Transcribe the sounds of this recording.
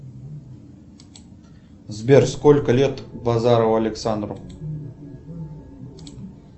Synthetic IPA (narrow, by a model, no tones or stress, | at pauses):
zbʲerskɔlʲkəlʲet̪bazaɾɐwɐlʲɪksand̪ɾʊ